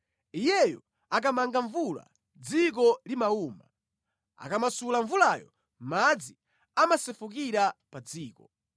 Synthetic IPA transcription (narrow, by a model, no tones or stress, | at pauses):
ijɛjɔ | ak̬amaŋɡaɱvula̰ | d͡zik̬ɔlimauːma̰ | a̰kamasulaɱvulaːjɔ̰ | mad͡zi | amasɛfuk̬iɾapad͡ziːkɔ